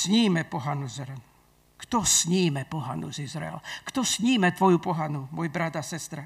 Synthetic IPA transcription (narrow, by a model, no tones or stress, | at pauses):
sɲiːmɛpɔɦanuzɾɛn | kt̪ɔsɲiːmɛpɔɦanṵzizɾa̰ɛ̰lkt̪ɔsɲiːmɛt̪ʋɔjupɔɦanumɔjbɾad̪asɛst̪ɾa